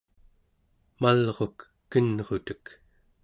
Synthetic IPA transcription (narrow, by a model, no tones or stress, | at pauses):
malʁo̞kː | ənʁo̞t̪ək